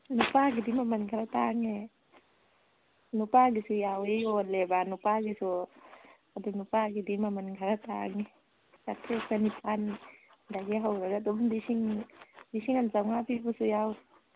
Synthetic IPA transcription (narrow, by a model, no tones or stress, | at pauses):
nupaɡidimamanŋkʰaɾat̪aŋe | nupaɡisujawiɡolɛbanupaɡisu | ad̪unupaɡidimamankʰaɾat̪a̰ŋe | kat̪esanipani | daɡiaɦauɾaɡat̪umd̪isiŋdisiŋansauŋapipusujau